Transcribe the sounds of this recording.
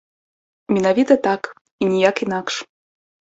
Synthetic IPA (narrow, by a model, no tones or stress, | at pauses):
mʲinavʲit̪ɐt̪ak | inʲijakinakʂ